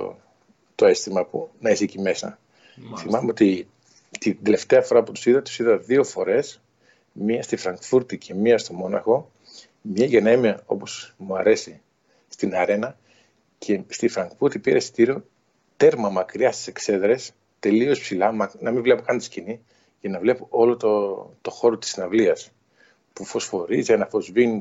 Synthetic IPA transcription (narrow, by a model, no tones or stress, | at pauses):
o̰ | t̪o̞e̞st̪imɐpunɐesicime̞sɐ̰ | θimɐmeo̞t̪i | t̪id̪e̞le̞ft̪eɐfo̞ɾɐput̪u̥siðɐt̪u̥siðɐðio̞fo̞ɾe̞s | miɐst̪ifɾɐŋɡfuɾt̪icʰe̞miɐst̪o̞mo̞nɐ̰xo̞ | mɲɐʝenemiɐo̞̰po̞smuɐɾe̞si | st̪inɐɾe̞nɐ | cʰe̞st̪ifɾɐŋɡ̥fuɾt̪ipiɾest̪iɾio | t̪e̞ɾmɐmɐkɾiɐst̪i̥se̞kse̞ðɾe̞s | t̪e̞lio̞spsilɐmɐnɐmivle̞po̞kɐnt̪i̥scini | ʝɐnɐvle̞poʔo̞lo̞t̪ot̪o̞xo̞ɾot̪i̥snɐvliɐs | pufo̞sfo̞ɾizɐnɐfo̞zvini